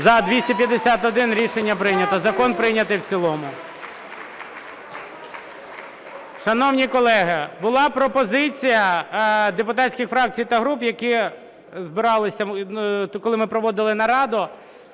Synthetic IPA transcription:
zɐd̪ʲʋʲisʲtʲipʲjɐd̪esʲat̪ɔd̪ɪnɾʲiʃenʲːɐpɾɪnʲɐt̪ɐzɐkɔnpɾɪnʲɐt̪ɪwt͡sʲilˠɔmʊ | ʃɐnɔwnʲikɔlˠɛɦɪbʊlˠɑpɾɔpɔzɪt͡sʲijɐd̪epʊt̪ɑt͡sʲsʲkʲɪxfɾɑk̚t͡sʲijt̪ɐɦɾupjɐki | zbɪɾɑlˠɪsʲɐ | kɔlˠɪmɪpɾɔʋɔd̪ɪlˠɪnɐɾɑd̪ʊ

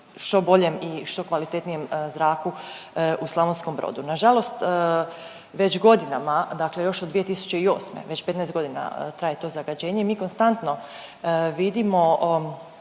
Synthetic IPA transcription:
ʃt̪o̞bo̞ʎemiʃt̪o̞kʋalit̪et̪nije̞mzɾaːkuʔuslˠaʋonskombɾo̰ːd̪unaʒalˠo̞st̪ | ʋe̞t͡ɕɡo̞d̪inamad̪akle̞jo̞ʃod̪ʋije̞t̪isu̥t͡ɕe̞io̞̰ːsmḛʋe̞t͡ɕpet̪nɛːst̪ɡo̞d̪ina̰t̪ɾaːjet̪o̞ːzaɡad͡ʑeːɲeimiːko̞nst̪ant̪no̞ | ʋid̪imo̞

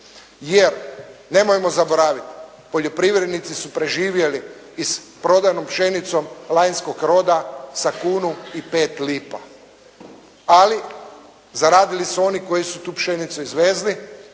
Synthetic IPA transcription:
jeɾne̞mojemo̞zabo̞ɾaːʋit̪ | po̞ʎo̞pɾiʋɾe̞d̪nit̪sisupɾe̞ʒiːʋje̞liː | spɾo̞d̪ajnompʃe̞nit̪so̞mlˠajnsko̞kɾo̞d̪asakuːnuipe̞ːt̪liːpa | ali | zaɾaːd̪ilisuo̞niko̞jisut̪uːpʃenit̪suizʋe̞ːzli

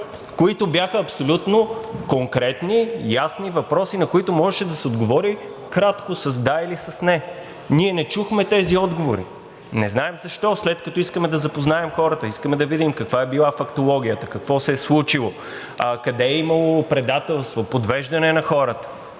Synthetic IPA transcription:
koit̪ʊbjaxəɐpsolʲut̪nokoŋkɾɛt̪nijasnivɐpɾɔsinɐkoit̪omɔʒɛʃɛd̪ɐsɛod̪ɡovɔɾi | kɾat̪kosɐzd̪ailisɐsnɛ | niɛnɛt͡ʃuxmɛt̪ɛziɔd̪ɡovoɾḭ | nɛznaɛmzɐʃt̪ɔslɛt̪̚kɐt̪ɔiskəmɛd̪ɐzɐpoznaɛmxɔɾət̪əiskəmɛd̪ɐvid̪imkɐkvaɛbilˠafɐkt̪olˠɔɡ̟ʲijət̪əkɐkvɔsɛɛslˠut͡ʃilˠo | kɐd̪ɛːimɐlˠopɾɛd̪at̪ɛlˠst̪vopod̪vɛʒd̪ɐnɛnɐxɔɾət̪ə̥

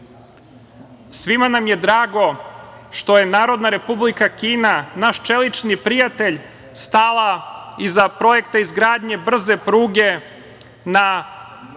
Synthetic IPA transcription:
sʋimanamje̞d̪ɾaːɡo̞ʃt̪o̞je̞naːɾo̞d̪naɾe̞publikakiːnanaʃt͡ʃelit͡ʃnipɾijat̪e̞ʎ | st̪alaizapɾo̞jekt̪aizɡɾaːd̪ɲe̞br̩ze̞pɾuːɡe̞ | na

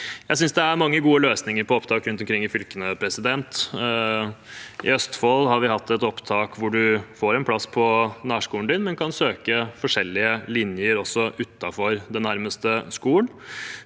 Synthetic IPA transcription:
jæɪs̬ʏnsd̪ɛæɾmɑŋːəɡuːəløːsnɪŋəɾpʰɔɔpt̪ʰɑːkɾʉnt̪ɔmkɾɪŋːɪfʏlkənəpʰɾɛsɪd̪ɛnt̪ | ʔɪ̰œst̪fɔlhɑɾʋɪhɑt̪ʰːɛt̪ɔpt̪ʰɑːkʋʊɖʉfoːɾɛnpʰlɑsːpʰɔnæːʂkuːənd̪ɪnmɛnkʰɑnsøːkəfɔʂɛlːɪəlɪnjəɾɔsːɔʔʉt̪ːɑfɔɾd̪ɛnːæɾməst̪əskuːən

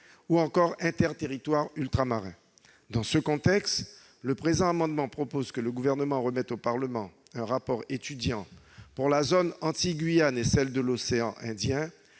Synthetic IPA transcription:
uɑ̃kɔʁɛ̃t̪ɛʁt̪eʁit̪waʁylt̪χamaʁɛ̃ | d̪ɑ̃səkɔ̃t̪ɛkst̪ | ləpχezɑ̃amɑ̃d̪mɑ̃pχɔpozkələɡuvɛʁnəmɑ̃ʁəmɛt̪opaʁləmɑ̃ | ɛ̃ʁapɔʁet̪yd̪jɑ̃ | puʁlazonɑ̃t̪iɡɥijanesɛld̪əloseɑ̃ʔɛ̃d̪jɛ̃

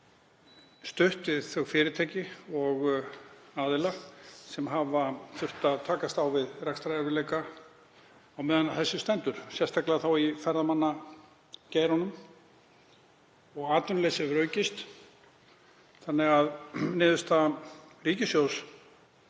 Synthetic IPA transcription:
st̪ʏht̪vɪðθœɣfɪːɾɪt̪ʰeːcɪɔɣ | aːðɪlasɛmɦavaθʏr̥t̪aðt̪ʰaːkast̪awvɪðrɛkst̪ɾaɛɾvɪlɛːjka | awmɛːðanaθɛsːɪst̪ɛnt̪ʏɾ̥sjɛst̪aklɪðaθawifɛɾðamanːa | cɛːjɾhɔnʏm | ɔɣaːt̪ʏnleːsɪvɾœːɥcɪst̪ | θanːɛɣaðnɪːðʏst̪ariːcɪsjows

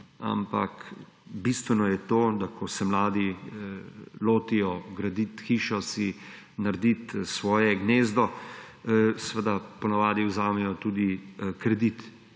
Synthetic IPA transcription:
a̰mpa̰k | bist̪ʋɛnɔjɛt̪oːd̪akʰɔsɛmlaːd̪i | loːt̪ijɔɡɾad̪it̪xiːʃɔsi | naɾd̪it̪sʋɔːjɛɡneːzd̪ɔ | sʋəd̪apɔnaʋaːd̪iwzaːmɛjɔt̪uːd̪ikɾɛd̪it̪

